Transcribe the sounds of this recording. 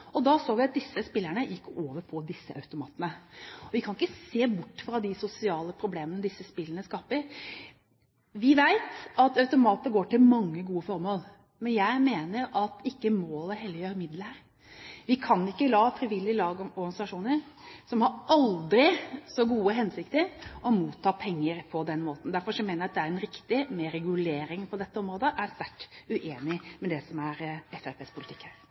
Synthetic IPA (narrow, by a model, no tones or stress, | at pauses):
ɔd̪ɑsoːʋɪɑt̪̚d̪ɪsːəspɪlːæɳəjʔɪkːoːʋəɾpʰɔd̪ɪsːə̰ʔɑ̰ʉt̪ʊmɑ̰ːt̪ənəɔʋɪkʰɑnɪkːəseːbʊʈːfɾɑd̪ɪsʊsɪɑːləpʰɾʊbleːmənəd̪ɪsːəspɪlːənəskɑːpəɾ | ʋɪʋæɪt̪ɑt̪œʉt̪ʊmɑːt̪əɡoːʈɪlmɑŋːəɡuːəfɔɾmoːl | mɛnjæɪmeːnəɾɑt̪ɪkːəmoːləɦɛlːəjøːɾəmɪd̪ləɾ | ʋɪkʰɑnɪkːəlɑːfɾɪʋɪlːɪlɑːɡɔɾɡɑnɪsɑʂuːnəɾ | sɔmhɑɾɑld̪ɾɪsɔɡuːəɦɛnsɪkt̪əɾɔmuːt̪ʰːɑːpʰɛŋːəɾpʰɔd̪ɛnːmoːt̪n̩d̪æɾfɔɾʂɔmeːnəjæɑt̪̚d̪ɛæɾɛnɾɪkt̪ɪmɛɾɛɡʉleːɾɪŋpʰɔd̪ɛt̪ːəɔmɾoːd̪əʔæɾst̪æʈːʉʔeːnɪmɛd̪ɛsɔmæɾɛfæpeːspʰʊlɪt̪ʰɪ̥kːhæɾ